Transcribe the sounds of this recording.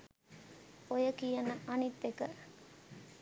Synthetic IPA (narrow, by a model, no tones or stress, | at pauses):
ojəkijɐnɐʔɐnit̪ːekə